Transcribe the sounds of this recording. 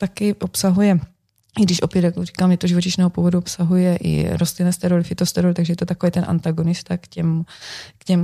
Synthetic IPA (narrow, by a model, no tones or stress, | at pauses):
t̪akɪʔopsaɦujɛ | ɪɡdɪʃʔopjɛt̪jakori̥kaːmɲɛt̪oʒivot͡ʃɪʃnɛːɦopuvoduopsaɦujɛʔɪ̰ɾost̪lɪnɛst̪ɛɾolfɪt̪ost̪ɛɾolt̪aɡʒɛjɛt̪ot̪akovejt̪ɛnʔa̰nt̪aɡonɪst̪akcɛmkcɛm